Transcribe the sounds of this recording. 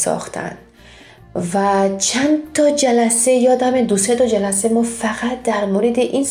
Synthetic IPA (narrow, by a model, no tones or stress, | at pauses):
sɒ̰χt̪ʰa̰nd̪ | vat͡ʃʰant̪ʰɔd͡ʒalasejɒd̪amed̪uset̪ɔd͡ʒalasemɔfaqat̪̚d̪æɾmoɾed̪iʔin